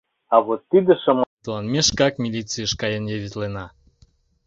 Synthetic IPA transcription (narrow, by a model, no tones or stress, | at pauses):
ɑvot̪ːid̪əʃəmt̪lˠɑnmʲeʃkɑkmʲilʲit͡sɨjəʃkɑjənjəβʲit̪lenɑ